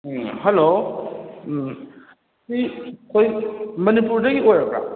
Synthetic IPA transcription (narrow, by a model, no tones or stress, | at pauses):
hɐlo | sikʰojmɐnipuɾdɐɡiojɾakɾa̰